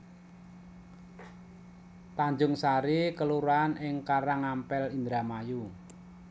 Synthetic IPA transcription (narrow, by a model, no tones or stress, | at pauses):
t̪aɲd͡ʒʊŋsaɾikəluɾanʔɪŋkaɾaŋampɛlind̪ɾamaju